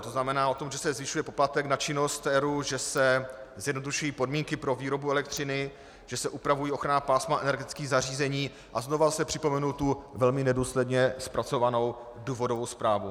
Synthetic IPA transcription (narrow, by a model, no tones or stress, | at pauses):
t̪oznamɛnaːʔo̞t̪o̞mʒɛsɛzvɪʃujɛpo̞plat̪ɛknat͡ʃɪno̞st̪ɛɾuʒɛsɛzjɛdnoduʃujiːpodmiːŋkɪpɾo̞viːɾo̞buɛlɛk̚t̪r̝̥ɪnɪ | ʒ̥ɛsɛʔupɾavujiːo̞xɾanapaːsmaʔɛ̰nɛɾɡɛt̪ɪt͡skiːɣzar̝iːzɛɲiː | ʔazno̞vasɛpr̝̥ɪpo̞mɛnult̪uvɛlmɪnɛduːslɛdɲɛspɾat͡so̞vano̞w | duːvo̞dovo̞wspɾaːvu